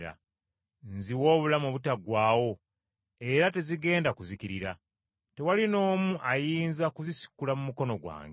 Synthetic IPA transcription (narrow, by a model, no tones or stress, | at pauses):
ɾa̰ | nziwo̞ːβulamoβutaɡwaːwo̞ | e̞ɾate̞ziɡe̞ːndakuzikiɾiɾa | te̞walino̞ːmuʔajiːnzakuzisi̥kːulamumuko̞no̞ɡwa̰ːŋɡ